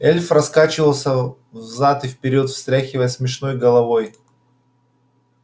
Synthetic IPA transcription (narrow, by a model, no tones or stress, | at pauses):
ɛlʲfrɐskat͡ɕɪvəlˠsʲə | vzat̪ɨfpʲɪɾʲot̪fst̪ɾʲæxʲɪvəjəsmʲɪʂno̞jɡəlˠɐvo̞j